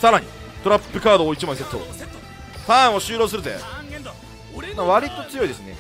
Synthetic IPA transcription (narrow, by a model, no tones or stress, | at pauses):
saɾaɲ̟ḭ | t̪oɾapːɯ̟kaːd̪oːit͡ɕimãs̬et̪ːo̰ | t̪ãoɕɨːɾo̞ːsɨɾɯ̟zḛ | maβaɾʲit̪o̞t͡sɨjo̞id̪e̞sɨne̞̰